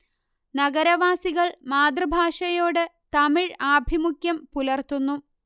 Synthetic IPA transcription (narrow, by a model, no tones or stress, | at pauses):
nɐɡɐɾɐʋaːsiɣɐɭmaːd̪rɨbʱaːʂɐjoːɽɨt̪ɐmiɻaːbʱimukjɐmpulɐrt̪unːu